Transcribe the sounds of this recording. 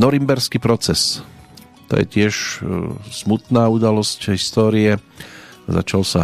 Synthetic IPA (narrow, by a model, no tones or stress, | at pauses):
nɔɾimbɛɾskiːpɾɔt͡sɛs | t̪ɔ̰jɛ̰cɪɛʃ | smut̪naːud̪alɔscɦist̪ɔːɾiɛ | za̰t͡ʃalsa